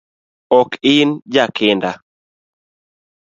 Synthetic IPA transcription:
ɔkɪnd͡ʒakʰɪnda

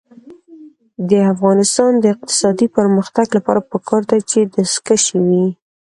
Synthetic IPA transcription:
d̪əafɣɑnɪst̪ɑnd̪əɪq̚t̪ɪ̥sɑd̪ipəɾməxt̪aɡlapɑ̰ɾapəkʰɑɾd̪at͡ʃed̪əskaʃewi

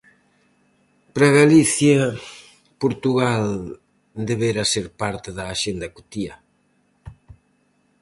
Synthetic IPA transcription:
pɾaɣaliθjɐ | poɾt̪uɣal | d̪eβeɾaseɾpaɾt̪ɪðɐːʃend̪ɐkut̪iɐ

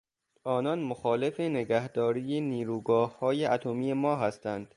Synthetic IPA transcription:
ʔɒːnɒːnmoxɒːle̞feneɡæhd̪̥ɒːɾiːjeniːɾuːɡɒːhːɒːjeʔæt̪ʰomiːjemɒːɦæst̪ʰænd̪̥

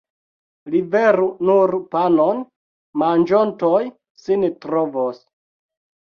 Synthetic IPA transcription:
liveɾunuɾpanon | mand͡ʒontoj | sintɾovos

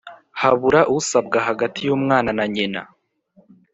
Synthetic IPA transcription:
haβuɾaʔusab̚ɡaɦaɡatʰijuːmŋaːnanaɲena̰

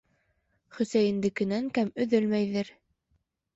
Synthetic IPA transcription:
χɵ̆sæjɘ̆nd̪ɘ̆kɘ̆næŋkæmɵ̆ðɵlmæjðɘɾ

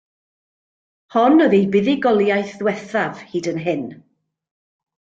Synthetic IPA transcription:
hɔnɔðejbɪðɪɡɔlˠjajθðwɛθav̥hiːdənɦɪn

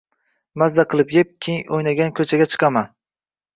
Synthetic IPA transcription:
mazːaqʰɨlˠɪpjep̚kʲʰeŋojnaɡʲankʰɵt͡ʃʰaɡʲat͡ʃʰɨ̥qʰɑman

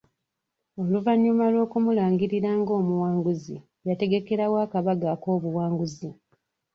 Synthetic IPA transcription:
o̞luvaɲːumalwo̞ːkumulaːŋɡiɾiɾaːŋɡo̞ːmuwaːŋɡuzḭ | jate̞ɡe̞ke̞ɾawaːkaβaɡako̞ːβuwaːŋɡuzi

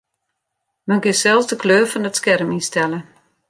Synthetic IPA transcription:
mənɡɪsɛlˠsdəkʰløːrfɔnətskɛrminstɛlˠə

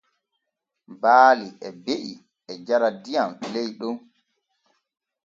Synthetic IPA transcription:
baːliʔɛbeʔi | ɛd͡ʒaɾadijamlejɗum

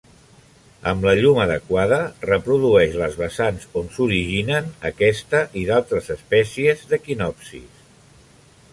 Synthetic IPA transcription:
ə̰mləʎuməðəkwaðərəpɾuðuɛʃləzβəsanzonsuɾiʒinənəkɛst̪əʔiðalˠt̪ɾəzəspɛsiəzðəkinɔpsḭs

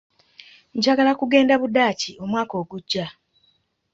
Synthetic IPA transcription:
ɲɟaɡalakuɡe̞ːndaβudaːcio̞mwaːko̞ːɡuɟːa

